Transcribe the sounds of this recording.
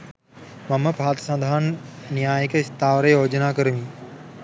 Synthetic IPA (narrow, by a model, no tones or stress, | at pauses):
mɐmɐpaːt̪sɐ̃nd̪ʱaːnnjaːjəkəist̪ʰaːʋɾejjoːd͡ʒənaːkəɾəʋĩː